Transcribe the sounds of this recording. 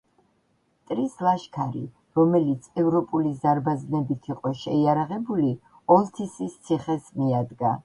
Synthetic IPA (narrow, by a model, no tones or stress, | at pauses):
t̪ʼɾislˠaʃkʰaɾḭ | ɾɔmɛlit̪sʰɛvɾɔpʼulizaɾbaznɛbit̪ʰiqʼɔʃɛiaɾaʁɛbuli | ɔlˠt̪ʰisist̪sʰiχɛsmiad̪ɡa